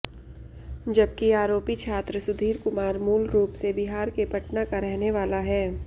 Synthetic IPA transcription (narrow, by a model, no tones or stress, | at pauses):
d͡ʒɐb̚kiaːɾoːpit͡ʃʰaːt̪ɾəsʊd̪ʱiːɾkʊmaːɾmuːlɾuːpsebɪɦaːɾkepɐʈnakaɾɛɦneʋaːlaɦɛː